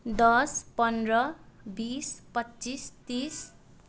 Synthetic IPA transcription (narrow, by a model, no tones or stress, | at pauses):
d̪ʌspʌnrʌbispʌtːt͡sist̪is